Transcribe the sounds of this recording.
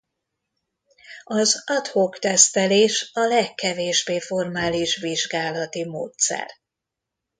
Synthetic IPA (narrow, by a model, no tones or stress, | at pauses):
ɒzɒt̪hokt̪ɛst̪ɛleːʃɒlɛkːɛveːʒbeːfo̞rmaːliʃʋiʒɡaːlɒt̪imo̰ːt̪sɛ̰r